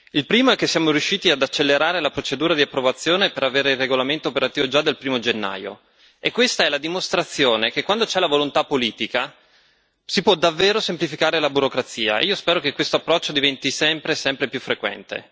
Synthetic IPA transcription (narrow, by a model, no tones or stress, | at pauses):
ilpɾiːmoɛkːesːijaːmoɾjuʃːiːt̪iad̪at͡ʃːelːeɾaːɾelapɾot͡ʃed̪uːɾad̪iapːɾovat̪sːjoːnepeɾaveːɾeirːeɡolament̪oːpeɾat̪iːvod͡ʒad̪ːelpɾiːmod͡ʒenːa̰ːjo̰ | ekːwest̪aɛlad̪imost̪ɾat̪sːjoːnek̟ekːwand̪ot͡ʃɛlavolont̪apːoliːt̪ika | sipwɔd̪avːeːɾosemplifikaːɾelabuɾokɾat̪siːa̰ḛʔiːospɛːɾokekːwest̪oapːɾɔt͡ʃːod̪ivɛnt̪isɛmpɾesɛmpɾepjufːɾekwɛ̰nt̪ḛ